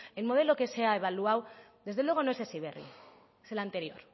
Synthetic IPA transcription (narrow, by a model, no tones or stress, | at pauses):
elmo̞ð̞e̞lo̞ke̞seaeβ̞aluawd̪e̞zð̞elwe̞ɣ̞o̞noe̞sesiβ̞erḭ | eselant̪e̞ɾjo̞̰ɾ